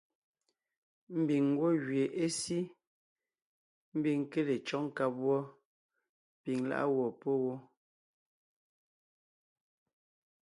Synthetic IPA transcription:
m̩˦bi˨ŋwɔ˦ɣɥe˨ʔe˦si˦ | m̩˦bi˨ŋ˦ke˦le˨t͡ʃɔ˦ŋ̩˦ka˦p̚wɔ˦ | pi˨ŋla̰˦ʔa̰˦wɔ˨po˦wɔ˦

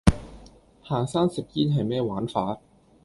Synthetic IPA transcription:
haː˨˩ŋsaː˥˩nsi˨˩p̚ji˥˩nɦa˨˩jmɛː˥˩waː˨˦˥nfaː˦˥t̪̚

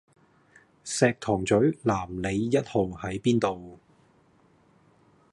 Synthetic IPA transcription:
sɛː˨˧k̚t̪ʰɔː˨˩ŋt͡sɵ˨˥ɥlaː˨˩mle˨˧jːɐ˥t̚ho˨whɐ˨˥jpiː˥nt̪o˨w

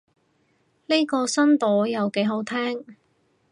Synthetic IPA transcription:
ne˥kɔː˧sɐ˥nt̪ɔː˨˥jɐ˨wke˨˥jɦo˨˥wt̪ʰɛː˥ŋ

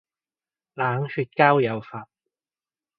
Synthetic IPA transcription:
laː˨˧ŋhyː˧t̚kaː˥wjɐ˨˧wfaː˨p̚

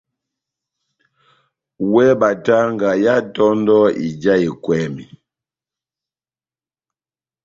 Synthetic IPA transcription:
wɛ˦ba˨ta˦ŋɡa˨ja˦tɔ˦ndɔ˦i˨d͡ʒa˦i˨kwɛ˦mi˨

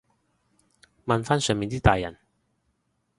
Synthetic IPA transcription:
mɐ˨nfaː˥nsœː˨˧ŋmiː˨˧nt̪iː˥t̪aː˨jːɐ̰˨˩n

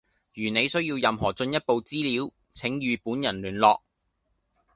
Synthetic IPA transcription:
jyː˨˩ne˨˧jsɵ˥ɥjiː˧wjɐ˨mɦɔː˨˩t͡ʃɵ˧njɐ˥t̚po˨˧wt͡siː˥liː˨˥w | t͡sʰɪ˨˥ŋjyː˨˧puː˨˥njɐ˨˩nlyː˨˩nlɔ̰ː˨˧k̚

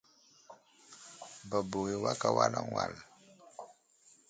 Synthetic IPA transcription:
ba˨bo˨ɣe˨wa˦ka˦wa˦la˦ŋwa̰˨l

